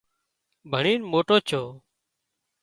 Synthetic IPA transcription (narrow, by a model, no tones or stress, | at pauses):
bʱəɳiːnmoːʈoːt͡ʃʰoː